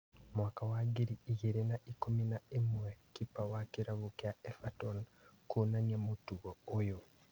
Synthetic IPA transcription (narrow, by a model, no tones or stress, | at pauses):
mwakawaɡiɾiːɣeɾenaʔikominaemwɛkipawakiɾaβukeaɛfatɔn | konaɲamotuɣɔojo